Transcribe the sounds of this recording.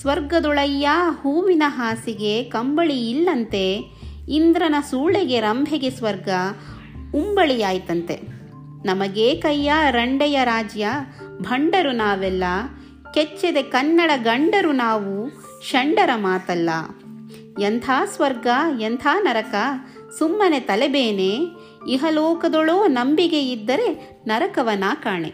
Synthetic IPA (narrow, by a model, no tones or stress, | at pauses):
sʋɐɾɡɐd̪uɭɐjːahuːʋinɐɦaːsiɡekɐmbɐɭiːlːɐnt̪e̞ | ind̪ɾɐnɐsuːɭeɡe̞ɾɐmbʱeɡesʋɐɾɡɐ | umbɐɭijaːjt̪ɐnt̪e̞̰ | nɐmɐɡeːkɐjːaɾɐɳɖɛjɐɾaːd͡ʒjɐbʱɐɳɖɐɾunaːʋɛlːɐ | ket͡ʃːed̪e̞kɐnːɐɽɐɡɐɳɖɐɾunaːʋu | ʃɐɳɖɐɾɐmaːt̪ɐlːɐ̰ | jent̪ʰaːsʋɐɾɡɐjent̪ʰaːnɐɾɐkɐ | sumːɐnet̪ɐlebeːne | iɦɐloːkɐd̪oɭoːnɐmbiɡe̞id̪ːɐɾe̞ | nɐɾɐkɐʋɐnaːkaːɳe